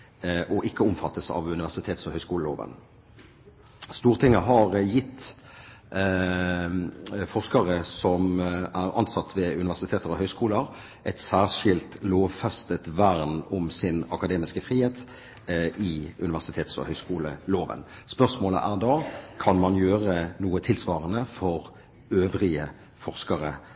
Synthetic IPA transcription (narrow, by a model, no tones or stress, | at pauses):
ʔɔʔɪkːəʊmfɑt̪ːəsɑ̰ʋʉnɪʋæʁsɪt̪ʰeːt̪sɔhœʏskuːləlo̰ːʋə̰n | st̪uːʁt̪ʰɪŋːəɦɑʁjɪt̪ː | fɔʁskɑʁəsɔmæʁɑ̰nsɑt̪ːʋɛʉnɪʋæʁsɪt̪ʰeːt̪əʁɔhœʏskuːləɾ | ʔɛt̪sæːʁʂɪlt̪loːʋfɛst̪ət̪ʋæʁnʊmsɪnɑkɑd̪eːmɪskəfɾiːheːt̪ | ɪʉ̰nɪʋæʁsɪt̪ʰeːt̪sɔ̰hœʏskuːlə̰loːʋə̰n | spœʁsmoːlə̰ʔæʁd̪ɑkʰɑnmɑnjøːʁənuːət̪ʰɪlsʋɑːʁənəfɔʁ | øːʋʁɪə | fɔʁskɑʁə̰